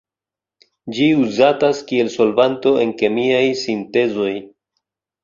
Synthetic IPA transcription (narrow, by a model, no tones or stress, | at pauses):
d͡ʒiuzataskie̞lso̞lvanto̞ʔe̞nke̞miajsinte̞zo̞j